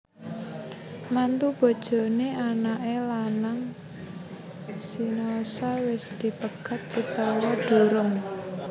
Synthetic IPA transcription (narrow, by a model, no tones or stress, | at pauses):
mant̪ub̥ɔ̤d̥ʒ̥ɔ̤neanaʔelanaŋ | sinaosawɪsd̪̥i̤pəɡ̥a̤t̪̚ːit̪ɔwɔd̥ṳɾʊŋ